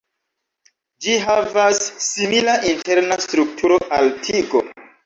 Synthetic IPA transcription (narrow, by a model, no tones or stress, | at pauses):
d͡ʒiɦavasːimilaʔinte̞ɾnastɾuk̚tʰuɾo̞ʔaltʰiɡo̞̰